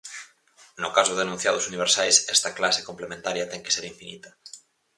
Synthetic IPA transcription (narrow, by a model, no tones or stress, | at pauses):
nʊkasʊðenũn̟θjaðʊsuniβ̞eɾsajsɛst̪ɐklase̥komplemẽnt̪aɾjɐt̪ɛŋkeseɾiɱfinit̪ɐ